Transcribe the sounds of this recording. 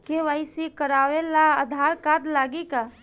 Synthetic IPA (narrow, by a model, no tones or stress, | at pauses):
keʋəɪsikəɾaʋelaəd̪ʱaɾkad̪laːɡika